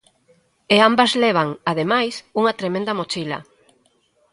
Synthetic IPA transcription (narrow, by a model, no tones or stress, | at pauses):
eambazleβ̞aŋaðemajsuŋɐt̪ɾemẽnd̪ɐmot͡ʃilɐ̰